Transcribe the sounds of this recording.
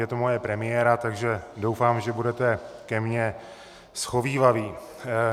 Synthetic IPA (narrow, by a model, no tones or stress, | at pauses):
jɛt̪omojɛpɾɛmɪjɛːɾat̪aɡʒɛdo̞wfaːmʒɛbudɛt̪ɛkɛmɲɛ | sxo̞viːvaviː